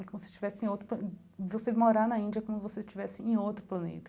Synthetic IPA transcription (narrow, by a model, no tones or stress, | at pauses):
kõmʊsɪ̥t͡ʃivɛsɪẽowt̪ɾʊplɐ | vosemoɾanɐĩnd͡ʒiɐkõmʊvosest͡ʃivɛsɪẽj̃owt̪ɾʊplɐ̃nḛt̪ɐ̥